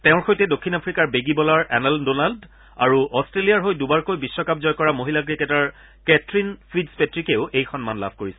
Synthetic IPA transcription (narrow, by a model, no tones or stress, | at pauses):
teʊ̃ɹxojtɛdokʰːinapʰɹikaɹbeɡibɔlaɹɛnɛldonald | a̰ɹuʔɔstɹelijaɹɦojdubaɹkojbisːɔkap̚zɔjkɔɹamoɦilakɹiketaɹ | kɛtɹinpʰidspɛtɹikeʊʔejxɔnmanla̰bʱkoɹisɛ